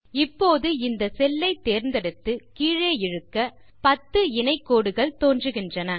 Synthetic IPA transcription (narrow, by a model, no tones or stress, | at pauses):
ɪpːoːðɯɪnd̪ɐsɛlːɐɪt̪ːeːɾnd̪ɛɽɯt̪ːɯkiːɻeːjɪɻɯkːɐ | pɐt̪ːɯɪnɐɪkːoːɽɯɣɐɭt̪oːndrɯɣɪndrɐnɐ